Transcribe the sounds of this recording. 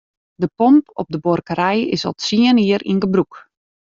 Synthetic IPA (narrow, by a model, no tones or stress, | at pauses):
dəpɔmpɔ̰p̚dəbɔrkəɾɛjɪ̰sɔ̰lˠsiəniəɾʔḭnɡəbruk